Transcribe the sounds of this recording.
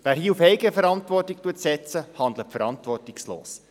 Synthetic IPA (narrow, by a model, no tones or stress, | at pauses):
ʋæːɾɦiːufɛɪɡəəfəɾɑntʋɔrtik̚tuːətsɛt͡səhɑnd̪lətfəɾɑntʋɔrtɪkslo̰ːs